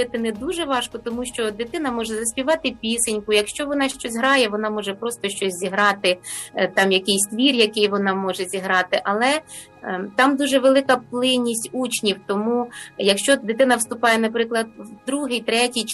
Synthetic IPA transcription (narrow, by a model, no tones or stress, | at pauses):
ɪt̪ɪnɛd̪uʒɛʋɑʃkɔt̪ɔmuʃt͡ʃɔd̪ɪt̪ɪnɐmɔʒɛzɐsʲpʲiʋɑt̪ɪpʲisenʲkʊjɐkʃt͡ʃɔʋɔn̪ɑʃt͡ʃɔsʲɦɾɑjɛʋɔnɑmɔʒɛpɾɔst̪ɔʃt͡ʃɔsʲzʲiɦɾɑt̪ɪt̪ɑmjɐkɪjsʲt̪ʋʲirʲjɐkɪjʋɔnɑmɔʒɛzʲiɦɾɑt̪ɪʔɐlˠɛ | t̪ɑmd̪uʒɛʋelˠɪkɐplˠɪnʲːisʲtʲut͡ʃnʲiwt̪ɔmujɐkʃt͡ʃɔd̪ɪt̪ɪnɐwst̪ʊpɑjɛnɐpɾɪklˠɐd̪̚wd̪ɾuɦɪjt̪ɾɛtʲij